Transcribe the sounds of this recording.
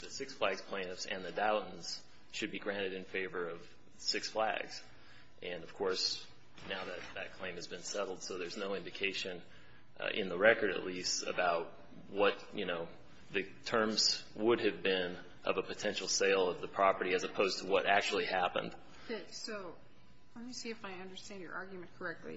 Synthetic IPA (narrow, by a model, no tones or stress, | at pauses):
ðɨsɪksflæɡz̥pʰl̥ẽɪ̃nɨfsɨ̰̃nðɨdaʊʔn̩z̥ | ʃɨd̚biɡɹæ̃ɾ̃ɨɾɨ̃nfeɪvə˞ʌv̥ | sɪksflæ̰ɡz̥ | ʔɨ̃nʌv̥kʰɔɹs | naʊðɨt̪̚ðɨt̚kʰl̥ẽɪ̃mɨzbɨ̃nsɛɾl̩ˠd̥soʊðə˞znoʊɪ̃ndɨkʰeɪʃɨ̃n | ʔɪ̰̃nðəɹɛkə˞ɾɨ̰ʔˡlistɨ̰baʊt̚ | wʌt̪̚jɨnoʊ | ðɨtʰɜ̃˞mz̥ | wʊɾɨvbɪ̃n | ʔʌ̰vəpʰɨtʰɛ̃nʃl̩ˠseɪlˠʌvðəpʰɹ̥ɑpə˞ɾiɨzɨpʰoʊz̥tʰəwʌɾʔæk̚t͡ʃul̩ˠihæpə̰̃nd̥ | soʊ | ə̃njɨsiɨfaɪʌ̃ndə˞stæ̃ndjə̰˞ʔɑɹɡjmɨ̃nkʰə˞ɛk̚tʰˡlḭ